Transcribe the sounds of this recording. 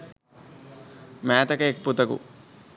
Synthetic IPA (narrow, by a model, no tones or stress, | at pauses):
mɛːt̪ɐkɐek̚pːut̪ɐkṵ